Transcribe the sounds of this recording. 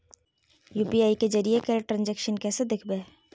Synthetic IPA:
juːpiaːiked͡ʒəɾijekəɾʈɾãːnd͡ʒɛːkʃənkɛːsed̪ɪkʰbeː

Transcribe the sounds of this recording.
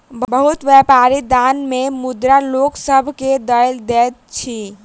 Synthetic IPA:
bbəɦut̪wjɛpaɾid̪anmemud̪ɾaloksəbʱked̪əjld̪ɛt̪̚t͡ʃʰi

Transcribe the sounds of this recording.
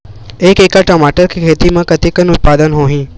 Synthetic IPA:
eːkeːkaʈɔmaːʈəɾkikʰeːt̪imãkɐt̪ikənʊt̪̚paːd̪ənɦoːɦĩː

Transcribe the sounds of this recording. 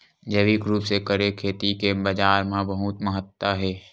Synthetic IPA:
d͡ʒəʋiːkɾuːpsekəɾekʰːeːt̪ikebɐd͡ʒaːɾmẽbəɦut̪məɦət̪ːwəɦɛː

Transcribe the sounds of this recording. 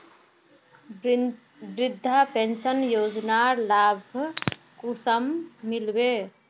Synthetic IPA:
bɾɪd̪ʱːapensənjod͡ʒnaɾlabʱ | kusəmːilbe

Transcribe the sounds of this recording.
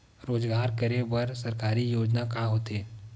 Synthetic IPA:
ɾoːd͡ʒɡaːɾkɐɾebɐɾsɐɾkaːɾijoːd͡ʒnakaːɦoːt̪eː

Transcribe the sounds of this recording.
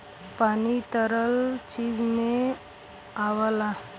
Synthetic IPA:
pañit̪əɾəlt͡ɕid͡zmẽ | aʋla

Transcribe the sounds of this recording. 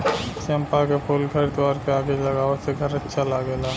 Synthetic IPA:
ʃempakepʰolkʰəɾt̪ʋaːɾkeaːɡeləɡaːʋəseɡʱəɾətːʃʰalaɡɛːlaː

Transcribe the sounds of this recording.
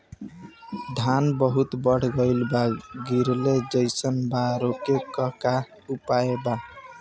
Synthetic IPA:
d̪ʱanbəɦut̪bəɽ̤ɡəɪlbaɡiɾled͡ʒəjsənbaɾokekʌka | upaeba

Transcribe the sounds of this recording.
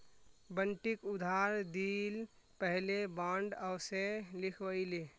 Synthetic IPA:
bənʈikʊd̪ʱaːɾd̪iːl | pəɦlebãːɳɖəwselɪkʰʋəile

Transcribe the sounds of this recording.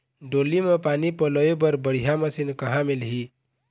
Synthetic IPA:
ɖolimepanipələjebəɾbəɽ̤ijaməsinkəɦãmelɦi

